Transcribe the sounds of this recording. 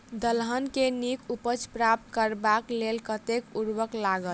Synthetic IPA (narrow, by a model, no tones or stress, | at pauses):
d̪əlɦənkenikʰupət͡ʃpɾap̚t̪kəɾbaklelkət̪ekuɾwəklaɡəl